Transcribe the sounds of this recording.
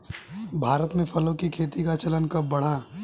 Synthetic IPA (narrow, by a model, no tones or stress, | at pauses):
bʱaːɾət̪mẽpʰɐlõkikʰeːt̪ikat͡ʃɐlənkɐbɐɽ̤a